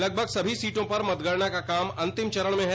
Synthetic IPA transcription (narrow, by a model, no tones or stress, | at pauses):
lɐɡ̚bʱəɡsɐbʱisiːʈõpɐɾmɐt̪ɡəɽnakakaːmɐ̃nt̪ɪmt͡ʃɐɾəɽ̃mẽɦɛ